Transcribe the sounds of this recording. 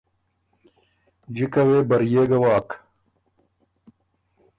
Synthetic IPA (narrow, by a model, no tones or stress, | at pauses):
d͡ʑikɐweːbɐɾjeːɡɐwaːk